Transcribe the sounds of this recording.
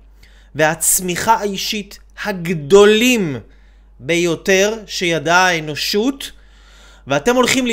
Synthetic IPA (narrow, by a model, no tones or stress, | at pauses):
vehat͡smiχaaiʃit | haɡdo̞lim | be̞jo̞te̞ʁʃe̞jadaeno̞ʃut | veate̞mo̞lχiml